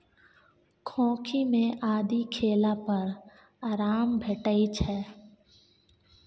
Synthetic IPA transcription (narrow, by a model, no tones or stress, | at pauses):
kʰɔ̃ːkʰimẽʔaːd̪ikʰeːlapəɾ | aːɾaːmbʱeʈəit͡ʃʰɛː